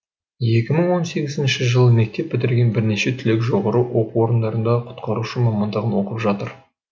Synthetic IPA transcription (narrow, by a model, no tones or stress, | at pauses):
je̞kʲɪməɴwo̞nse̞ɡʲɪzɪnʃɪʒəlˠəmek̚t̪e̞p̚ːbɪt̪ɪɾɡʲe̞nbɪɾne̞ʃe̞t̪ʰʏlekʒo̞ʁɑɾəwo̞quwo̞ɾənd̪ɑɾənd̪ɑqʰʊ̥t̪qɑɾuʃəmɑmɑnd̪əʁənwo̞qəpʒɑt̪əɾ